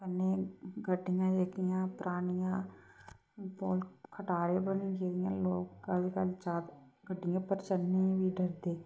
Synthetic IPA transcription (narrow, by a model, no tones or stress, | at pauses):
pənːẽːɡəɖːɪjãːd͡ʒekɪjãːpɾʔaːnɪjãː | poːlkʰəʈaːɾeːbənĩkeːd̪ɪjã̰ːloːkːəlkəlt͡ʃaːd̪ɡəɖːɪjãːpəɾt͡ʃənːeːʋiːɖəɾd̪eː